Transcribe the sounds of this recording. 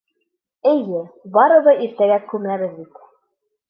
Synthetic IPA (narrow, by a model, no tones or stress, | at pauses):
ɘ̆jɘbɑɾɤ̆βɤiɾt̪æɡækʉmæβɘðbit̪